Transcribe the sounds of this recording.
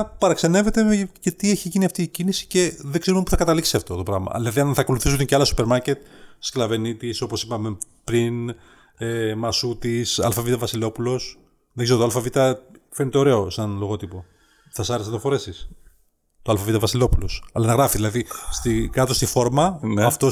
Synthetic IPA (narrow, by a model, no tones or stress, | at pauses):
pɐɾɐksene̞ve̞t̪e̞mcet̪ieçiʝiniɐft̪iːcinisi̥ce̞ðeɡzse̞ɾumepuθɐkɐt̪ɐliksiɐft̪o̞t̪o̞pɾɐɣmɐ̰ðilɐðiɐnθɐko̞luθisuceɐlɐsu̥pe̞ɾmɐɾce̞t̪sklɐve̞nit̪iso̞po̞sipɐme | pɾin | emɐsut̪isɐ̰lfɐvit̪ɐvɐsilo̞pulo̞s | ðeɡeɾot̪oalfɐvit̪ɐfeɾnit̪eo̞ɾe̞o̞senlo̞ɣo̞t̪ipo̞ | θɐsɐɾesnɐt̪ofo̞ɾe̞sis | t̪oɐlfɐvit̪ɐvɐsilo̞pulo̞sɐlɐnɐɣɾɐfiðilɐðist̪ikɐt̪o̞st̪ifo̞ɾmɐɐft̪o